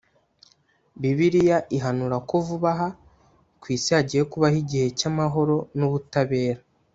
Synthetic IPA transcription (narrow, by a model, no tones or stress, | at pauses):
biβiɾijaʔiɦanuɾako̞vuβaɦa | kwiːsihaɟije̞kuβahiɟihe̞camaɦo̞ɾo̞nuβutaβe̞ːɾa